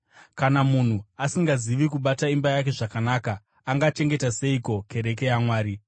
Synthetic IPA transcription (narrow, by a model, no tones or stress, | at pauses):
kanamun̤uasiŋɡaziʋikuɓataimbajake̞ʐakanaːkaː | ŋɡat͡ʃe̞ŋɡetase̞iko̞ke̞ɾe̞k̬e̞jamwaːɾi